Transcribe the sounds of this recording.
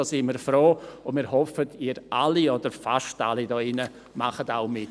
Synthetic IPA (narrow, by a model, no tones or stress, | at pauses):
ɔsɪməːɾfɾoːʊndmiːɾɦɔfətʰiːɾʔaliɔd̥əɾfaʃta̰lidɔːɪnə | maχətaʊmɪt